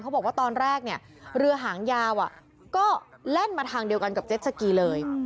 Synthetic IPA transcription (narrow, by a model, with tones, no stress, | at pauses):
kʰa˦˥wbɔ˨˩k̚waː˥˩t̪ɔː˧nɾɛː˥˩k̚ni˥˩ɐ | ɾɯ˧ɐɦaː˩˦ŋjaː˧wʔa˨˩ʔ | kɔː˥˩lɛ˥˩nmaː˧t̪ʰaː˧ŋdi˧əwka˧nka˨˩p̚t͡ɕe˦˥t̪̚sʰa˧kiː˧lɤː˧j